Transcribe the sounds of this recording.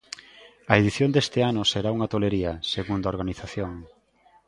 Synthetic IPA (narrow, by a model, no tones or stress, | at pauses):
ɐeðiθjond̪est̪eanʊseɾauŋɐt̪oleɾiɐseɣund̪aoɾɣ̞aniθaθjoŋ